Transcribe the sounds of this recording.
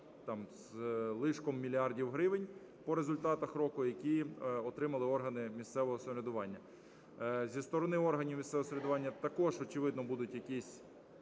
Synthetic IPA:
t̪ɑmzlˠɪʃkɔmːʲilʲiɑrdʲiwɦɾɪʋɪnʲ | pɔɾezʊlʲt̪ɑt̪ɐxɾɔkʊjɐkʲiɔt̪ɾɪmɐlˠɪɔrɦɐnɪmʲist̪sɛʋɔɦɔsɔɾʲed̪ʊʋɑnʲːɐ | zʲist̪ɔɾɔnɪɔrɦɐnʲiwmʲist̪sɛʋɔɔsɾʲed̪ʊʋɑnʲːɐt̪ɐkɔʒɔt͡ʃɪʋɪd̪nɔbud̪ʊtʲjɐkʲisʲ

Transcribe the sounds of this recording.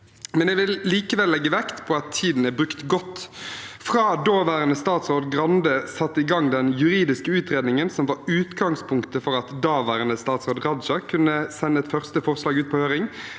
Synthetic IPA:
mɛnɛʋɪlliːkəʋɛlːɛɡːəʋækt̪pʰɔɑt̪ʰːiːd̪n̩æbʁʉkt̪ɡɔt̪ːfɾɑːd̪oːʋæːɾənəst̪ɑːt̪sʁoːd̪ɡɾɑnd̪əsɑt̪ːəɪɡɑŋːd̪ɛnjʉɾiːd̪ɪskəʉːt̪ʁeːd̪nɪŋənsɔmʋɑɾʉːt̪ɡɑŋspʰʊŋkt̪əfɔɾɑt̪d̪ɑːʋæːɾənəst̪ɑːt̪sʁoːd̪ʁɑd̪d͡ʒɑkʰʉnːəsɛnːəɛt̪fœʁst̪əfɔʁslɑːɡʉːt̪̚pʰɔhøːɾɪŋ

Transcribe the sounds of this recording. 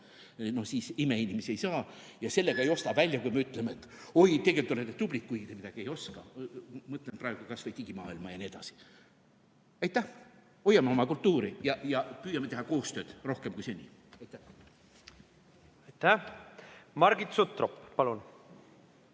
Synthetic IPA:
no̞hsiːsime̞inʲimesiejsɑːjɑse̞lːe̞ɡ̥ɑe̞jo̞st̪ɑvælʲːjɑkujmeyt̪ːˑlemeet̪ːˑo̞jt̪e̞ɡ̥et̪olet̪ːet̪ublik̚ːujɡ̥id̪emid̪ɑɡ̥ie̞jo̞skɑmɤt̪lenprɑeɡ̥ukɑsvejd̪t̪iɡ̥imɑːilmɑ̰jɑnie̞d̪ɑ̰si̥ | ɑjt̪ːˑæ | o̞jːɑmeo̞mɑkult̪ːuːɾijɑjɑpyːjɑmet̪e̞ɦɑko̞ːst̪ø̞ːd̪̥ro̞hkemkujsenʲːiɑjt̪ːˑæh | ɑjt̪æ | mɑɾɡit̪sut̪roppɑlun

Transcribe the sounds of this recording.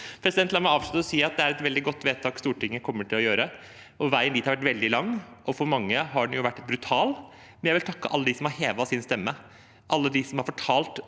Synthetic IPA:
pʰɾɛsd̪ɛnt̪lɑməɑːʋʂɭʉt̪ːəɾɔsiːɑt̪̚d̪ɛæɾɛt̪ʋɛld̪ɪɡɔt̪ːʋeːt̪ʰɑːkst̪uːʈɪŋːjækʰɔmːəʈʰɪlɔjøːɾə | ʔɔʋæɪənd̪it̪hɑɾʋæʈ̬ʋɛld̪ɪlɑŋːʔɔfɔɾmɑŋːəɦɑɖɛn̩jʊʋæʈːbɾʉt̪ʰɑːl | mɛnjæʋɪlt̪ʰɑkːə̰ʔɑlːəd̪iːsɔmhɑɾheːʋɑsɪnst̪ɛmːə | ʔɑlːəd̪ɪsɔmhɑɾfɔʈʰɑːlt̪

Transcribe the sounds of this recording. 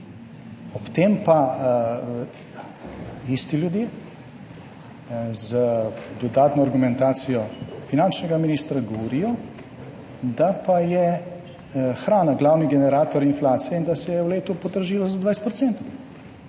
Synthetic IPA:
ɔpt̪empa | ist̪iljud̪jeː | zəd̪ɔd̪aːt̪nɔaɾɡumɛnt̪aːsijɔfinant͡ʃnɛɡaminiːst̪ɾaɡɔʋɔɾijɔ | d̪apajɛ | xɾaːnaɡlaːwniɡɛnɛɾaːt̪ɔɾinflaːt̪sijɛind̪asɛjɛwleːt̪upɔd̪əɾʒiːlazad̪ʋajst̪pɾɔt̪sɛnt̪ɔ

